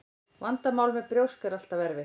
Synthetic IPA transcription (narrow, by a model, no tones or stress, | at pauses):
vant̪amaːwlmɛðpɾjowskɛɾal̥t̪avɛɾvɪ